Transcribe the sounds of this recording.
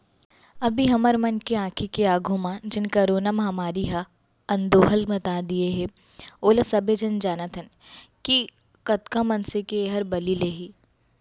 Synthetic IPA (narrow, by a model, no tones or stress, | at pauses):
ɐbʱiɦɐməɾmɐnkeãːkʰikeaːɡʱõmãd͡ʒɪnkɐɾoːnamɐɦɐmaːɾiɦa | ɐ̃nd̪oːɦəlmɐt̪aːd̪ieɦɛ̃ | oːlasɐbʱed͡ʒɐnd͡ʒaːnət̪ʰɐn | ki | kɐt̪kãmɐnsekeːɦɐɾbɐlileːɦiː